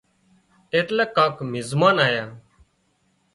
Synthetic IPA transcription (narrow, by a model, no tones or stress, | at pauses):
eːʈlaːkːaːkmɪzmaːnaːjaː